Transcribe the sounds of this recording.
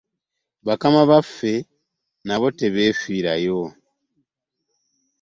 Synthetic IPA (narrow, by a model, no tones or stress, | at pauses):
βakamaβafe̞ | naβo̞te̞βeːfiːɾa̰jo